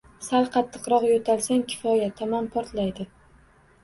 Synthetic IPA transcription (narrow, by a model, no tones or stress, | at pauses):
salˠqʰɑt̪ʰːɨ̥qɾɒqjot̪ʰalˠsaŋkʲʰɪ̥fɒjat̪ʰamanpʰɒɾt̪lajd̪ɪ